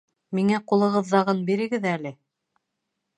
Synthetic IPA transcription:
miŋæqulˠɤ̆ʁɤ̆ðːɑʁɤnbiɾɘ̆ɡɘðælɘ

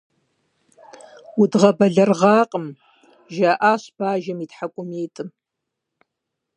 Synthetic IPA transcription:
udʁɐbɐɮɐrʁɑːqʼəm | ʒaʔaːɕb̥aːʒɐmiːtħakʷʼʊmeːtʼɨm

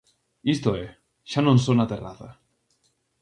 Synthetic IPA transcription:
ist̪oe | ʃanonsonat̪era̰θa̰

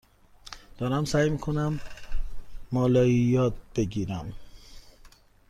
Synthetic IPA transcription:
d̪̥ɒːɾæmsæjmiːkʰonæm | ɒːlɒːijɒːt̪̚b̥e̞ɟiːɾæm

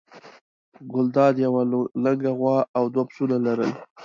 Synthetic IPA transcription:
ɡʊld̪ɑd̪jawaləɡaɣwɑawd̪wapsunalaɾəl

